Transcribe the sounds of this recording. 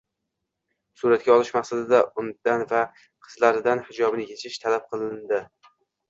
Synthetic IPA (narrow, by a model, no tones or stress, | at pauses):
suɾat̪̚ɡʲaɒlˠɪʃmaqsad̪ɪd̪aʊnd̪anva | qʰɨ̥zlaɾɪd̪anhɪd͡ʒɒbnɪkʲʰet͡ʃʰɪʃt̪ʰalap̚qʰɨlˠɪnd̪ɪ